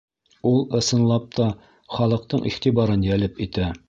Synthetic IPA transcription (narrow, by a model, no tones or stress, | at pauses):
ulˠɤ̆sɤ̆nlˠɑp̚t̪ɒ | χɒlˠɤ̆q̚t̪ɤɴʔḭχt̪ibɑɾɤnjælɘpit̪æ